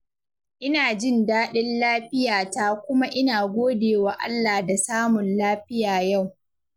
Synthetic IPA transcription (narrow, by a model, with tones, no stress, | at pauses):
ʔɪ˦naː˨d͡ʒɪ˦ndaː˦ɗɪ˦nlaː˦ɸɪ˦jaː˨ta˦kʷʊ˦ma˦ʔɪ˦naː˨ɡʷoː˦deː˨wa˨ʔa̰˦lːaː˨da˨saː˦mʊ˨nlaː˦ɸɪ˦jaː˨ja˦˨w